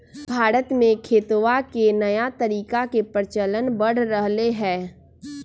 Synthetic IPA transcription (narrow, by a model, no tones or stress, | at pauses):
bʱaːɾət̪mẽkʰeːt̪oʋakenɐjat̪əɾiːkakepɾɪt͡ʃələnbəɽ̤ɾəɦleɦɛ̃ː